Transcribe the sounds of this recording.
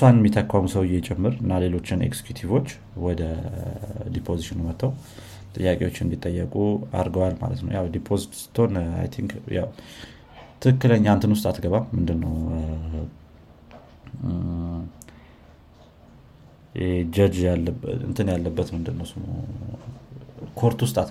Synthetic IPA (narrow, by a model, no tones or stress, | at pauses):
sanjɛmːit̪ʰəkʰːʷamusəwɨjɛt͡ʃʼɛmːɨɾɨnːale̞lo̞t͡ʃːɪnḛkz̥e̥kjut̪ʰivo̞t͡ʃː | wɔd̪ə | d̪ipʰo̞ziʃɪnumət̪ːəw | t̪ʼɨjːakʼewo̞t͡ʃːɪɨnd̪it̪ʼːəjːəkʼua̰ɾɡəwalma̰lə̰t̪nə̰wjawd̪ipʰo̞zit̪t̪ʰo̞na̰jt̪ʰiŋkja̰w | t̪ʰɨkɨkːɨləɲːaɨnt̪ʰɨnwʊst̪ʼat̪ɡəβalmɨnd̪ɨnːə̰w | jɛd͡ʒəd͡ʒjalːəɨ̰nt̪ʰɨnjalːəbːət̪mɨnd̪ɨnːəwsmo̰ | kʰo̞ɾt̪wust̪ʼat̪